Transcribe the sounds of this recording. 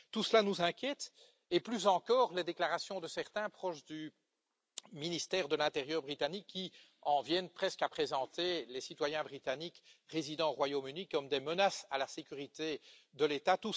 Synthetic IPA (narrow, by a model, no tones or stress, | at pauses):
t̪usəlanuzɛ̃kʲjɛt̪ | eplyzɑ̃kɔːʁled̪eklaʁasjɔ̃d̪əsɛʁt̪ɛ̃pχɔʃd̪y | minist̪ɛːʁd̪əlɛ̃t̪eʁjœːʁbʁit̪anikʰːi | ɑ̃vjɛnpχɛskapχezɑ̃t̪elesit̪wajɛ̃bʁit̪anikʁezid̪ɑ̃ʁwajomynikɔmd̪emənasalasekʲyʁit̪ed̪əlet̪at̪u